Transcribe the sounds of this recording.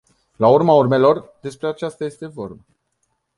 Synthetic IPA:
laurmaurme̞lo̞rd̪e̞spɾe̞at͡ʃast̪aje̞st̪e̞vo̞rba

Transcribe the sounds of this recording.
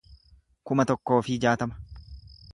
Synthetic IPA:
kʊmɐt̪ɔkːo̞ːfɪd͡ʒaːt̪ɐmɐ̥

